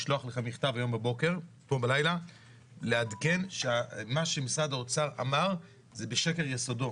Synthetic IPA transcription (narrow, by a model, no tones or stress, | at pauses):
ʃloaχleχamiχt̪avajo̞mbabo̞ke̞ʁ | tombalajla | leadke̞nʃeamaʃemisadaot͡saʁa̰maʁ | zebeʃe̞ke̞ʁjesodo̞